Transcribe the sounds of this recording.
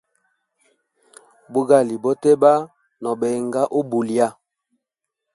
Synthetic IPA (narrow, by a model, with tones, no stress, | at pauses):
bu˦ɡa˦˨li˨bɔ˦tɛ˦ba˦ | nɔ˨bɛ˨ŋɡa˦ʔo˦bu˨lja˦